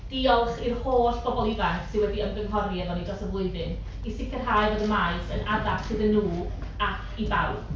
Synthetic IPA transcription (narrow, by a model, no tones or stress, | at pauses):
d̥iɔlˠχirhoːɬb̥ɔbɔlˠivanθsɪnwɛdiəmɡənɦɔɾjɛvðɔnidɔsəvlˠʊɨðɨn | isɪkʰɪrɦaːjvəðəmaɨsənʔadapsɪðənːuː | akʰibaw